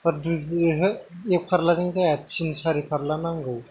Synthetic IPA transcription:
paɾduɦɯek̚pʰaɾlazaŋzajat̚t͡ʃʰinsaɾipʰaɾlanaŋɡɯw

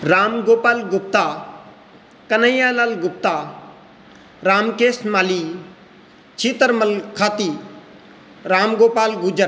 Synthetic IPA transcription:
ɾaːmɡoːpaːlɡʊp̚t̪aː | kɐnəjaːlalɡʊp̚t̪aː | ɾaːmkeːsmaːliː | t͡ʃʰiːt̪əɾmɐlkʰaːt̪iː | ɾaːmɡoːpaːlɡud͡ʒəɾ

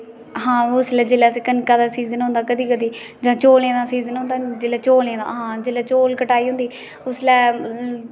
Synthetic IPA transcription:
ɦãːʊslɛːd͡ʒeːlɛːsekənkaːd̪aːsiːzənɦʊ̃nd̪aːkəd̪iːkəd̪iː | d͡ʒãːt͡ʃoːlẽːd̪aːsiːzənɦʊ̃nd̪aːd͡ʒeːlɛːt͡ʃoːlẽːd̪a̰ːɦãːd͡ʒeːlɛːt͡ʃoːlkəʈaːiːɦʊ̃nd̪iː | ʊslɛː

